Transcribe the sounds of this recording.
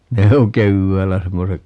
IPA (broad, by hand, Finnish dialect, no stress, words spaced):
ne oŋ keʋːæːlːæ semːosek